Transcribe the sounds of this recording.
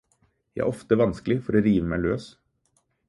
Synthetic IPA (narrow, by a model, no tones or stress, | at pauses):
jæ̰ɪæ̰ɾɔft̪əʋɑnsklɪfɔɾoːɾiːʋəmæɪløːs